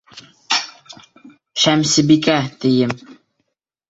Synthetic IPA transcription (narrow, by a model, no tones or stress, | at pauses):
ʃæmsɘ̆bikæt̪ɘ̆jɘm